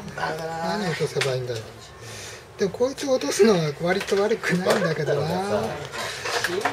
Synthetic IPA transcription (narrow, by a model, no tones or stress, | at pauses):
naɲʲiot̪o̞se̞baĩnd̪ajo | d̪̥emokʰoːit͡sɨot̪o̞sɨno̞βaβaɾʲit̪o̞βaɾɯ̟kɯ̟naiĩnd̪ake̞d̪o̞na